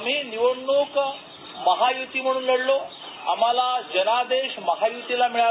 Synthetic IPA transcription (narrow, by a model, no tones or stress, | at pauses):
m̤iːniʋəɽɳuk | məɦajut̪iːm̤əɽ̃uːnliɽlo | a̰m̤alad͡ʑənad̪eɕməɦajut̪ilamiɭa